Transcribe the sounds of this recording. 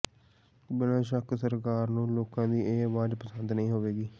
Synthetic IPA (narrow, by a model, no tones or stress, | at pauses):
bɪnãːʃ̬əksəɾkaːɾnũːloːkãːd̪iːeːəʋaːd͡ʒpəsənd̪nəĩːɦoːʋeːɡiː